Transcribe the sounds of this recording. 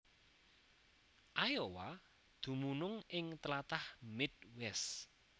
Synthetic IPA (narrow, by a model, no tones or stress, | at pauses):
ʔajowa | d̪̥ṳmunʊŋɪŋt̪əlat̪ahmɪt̪̚wɛs